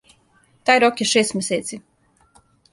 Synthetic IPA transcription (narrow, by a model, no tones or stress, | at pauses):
t̪ajɾɔkiʃɛjsmʲɛseːt̪sʲi